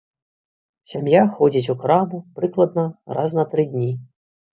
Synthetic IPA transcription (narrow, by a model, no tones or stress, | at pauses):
sʲamjaxɔd͡zʲit͡sʲuxɾamupɾɨklˠɐd̪nɐra̰znɐt̪ɾɨd̪ʲnʲi